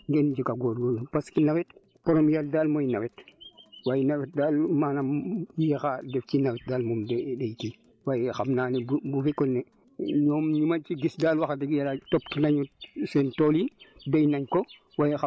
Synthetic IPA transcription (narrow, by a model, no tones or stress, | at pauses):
ŋɡɛnd͡ʒikaɡoɾɡolpaskinawɛt | pɔɾomjaldalmojinawetwajnawet̚daːlmaːnamjexadeft͡ʃinawet̚daːlmumdedejki | wajxamnaːnebbufikɔnːe | ɲoːmɲimat͡ʃiɡisdaːlwaxadeɡjalatoptinaɲɔsentolidejnaɲko | wajx